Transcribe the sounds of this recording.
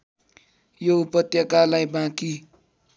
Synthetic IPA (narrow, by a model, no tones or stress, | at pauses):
joupʌt̪jʌkalajbãki